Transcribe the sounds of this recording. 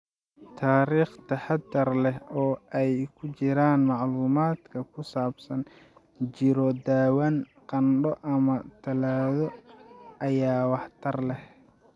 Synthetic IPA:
t̪ʰaːɾiːχt̪ʰɐħɑd̪ɐrlɛɦɔːʔɛjkʰʊt͡ʃɪɾaːnmɑʕluːmaːd̪kʰɐkʰʊsaːbsɐn | t͡ʃɪɾɔd̪aːwan | qɑnɖɔʔɐmɐt̪ʰɐlaːðɔ | ɐjaːwɑħt̪ʰɐrlɛh

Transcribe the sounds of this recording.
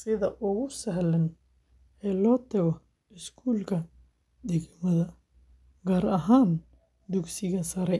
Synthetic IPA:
sɪðɐʔʊɣʊsɐɦlɐn | ɛːlɔːt̪ʰɛɣɔ | ɪskʰuːlkʰɐ | d̪ɛɡmɐðɐ | ɡaːɾɐɦaːn | d̪ʊksɪɣɐsɐɾɛ

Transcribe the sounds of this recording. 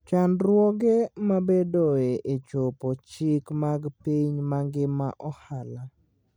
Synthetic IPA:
t͡ʃandɾwɔɡemabedoeʔet͡ʃopot͡ʃɪkmaɡpiɲmaŋɡɪma̰ʔɔhala

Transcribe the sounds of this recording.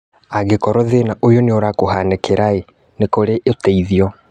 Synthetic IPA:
aɣekɔɾɔðenaʔojɔneoɾakoɦanekeɾae | nekoɾeʔetɛiðiɔ

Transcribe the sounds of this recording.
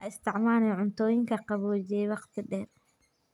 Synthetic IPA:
ʔɐɪst̪ʰɪʕmaːnɛʕʊnt̪ʰɔːjɪŋkʰɐqɑβɔːt͡ʃɛjwɑqt̪ʰɪɖɛːr

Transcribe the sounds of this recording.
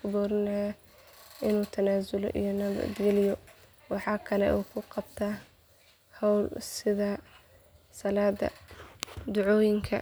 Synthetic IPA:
kʊbɔːɾɪnɐja | ʔɪnuːt̪ʰɐnaːzʊlɔ̰ʔḭjɔnɐβɐ̰d̪ɡɛlɪjɔ | wɑħɑːkʰɐlɛ̰ʔuːkʰʊqɑbt̪ʰa | hɔwlsɪðɐ | sɐlaːd̪ɐ̰ | d̪ʊʕɔːjɪŋkʰɐ̰

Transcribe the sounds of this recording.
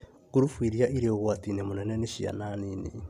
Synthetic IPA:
kuɾufwiɾiaiɾeoɣwatinemonɛnɛneʃia̰naninḛ

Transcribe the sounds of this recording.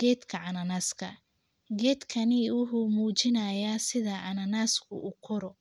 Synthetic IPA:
ɡ̥ɛːd̪kʰɐʕɑnɐnaːskʰɐ̰ | ɡɛːd̪kʰɐnɪʊɦumuːt͡ʃɪnɐjaːsɪðɐʕɑnɐnaːskʰʊukʰɔɾɔ

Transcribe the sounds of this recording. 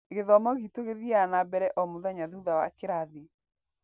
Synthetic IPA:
ɣeðɔmɔɣitoɣeðianabɛɾɛʔɔmoðaɲaðehuðawa̰keɾaði

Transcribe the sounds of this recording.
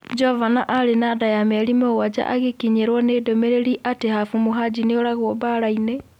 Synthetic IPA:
d͡ʒɔvanaʔaɾenadajamɛɾimowad͡ʒa̰ʔa̰ɣekiɲeɾwɔneːdomeɾeɾiʔatehafumoɦad͡ʒineoɾaɣwobaɾaine

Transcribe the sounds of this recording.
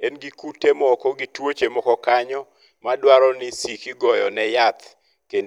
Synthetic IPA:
enɡikutemɔkɔɡitwot͡ʃemɔkɔkaɲɔ | madwaɾɔnɪsikiɡɔjɔnɛjat̪ | ken

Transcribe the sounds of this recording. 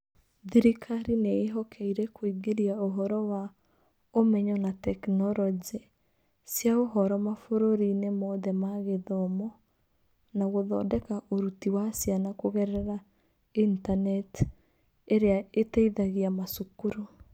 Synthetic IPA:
ðiɾikʰaɾineːɦɔkʰɛiɾɛkoiɡeɾiaoɦɔɾɔwa | omɛɲɔnatɛknɔɾɔd͡ʒe | sjaoɦɔɾɔmafoɾoɾinemɔːðɛmaɣeðɔmɔ | naɣoðɔ̰ːdɛkaʔoɾutiwasjanakoɣɛɾɛɾa | intanɛt | eɾeaetaiðaɣiamasukuɾo

